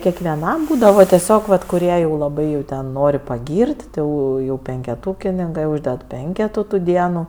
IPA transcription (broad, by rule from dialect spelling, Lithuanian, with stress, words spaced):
kʲɛkʋʲɛˈnɐm ˈbuːdɐʋɐ tʲɛˈsʲoːk ʋɐt kʊˈrʲiɛ jɛʊ lˠɐˈbɐɪ jɛʊ ˈtʲɛn ˈnoːrʲɪ pɐˈɡʲiːrʲtʲ ˈtʲɪ ˈjɛʊ jɛʊ pʲɛŋʲkʲɛˈtuːkʲɪnʲɪŋkɜ ˈuːʒʲdʲɛt ˈpʲɛŋʲkʲɛtuː tuː ˈdʲiɛnuː